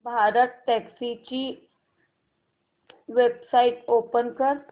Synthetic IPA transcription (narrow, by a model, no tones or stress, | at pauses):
bʱaːɾət̪̚ʈɛːksit͡ʃi | ʋeːbsaːɪʈoːpənkəɾ